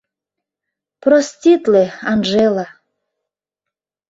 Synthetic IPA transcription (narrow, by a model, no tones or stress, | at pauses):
prostʲit̪leɑnʒelɑ